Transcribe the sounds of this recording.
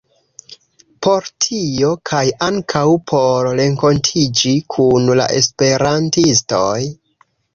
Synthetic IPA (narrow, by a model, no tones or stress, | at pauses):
po̞ɾtʰio̞kʰajaŋkʰawpʰoɾɾe̞ŋko̞ntʰid͡ʒikʰunla̰ʔe̞̰spe̞ɾantisto̞j